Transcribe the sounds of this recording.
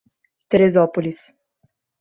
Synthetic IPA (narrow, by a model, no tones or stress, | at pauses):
t̪eɾezɔpolʲis